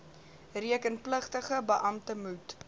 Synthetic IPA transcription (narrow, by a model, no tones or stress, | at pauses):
riəkənpləχtəχəbəʔɐmtəmut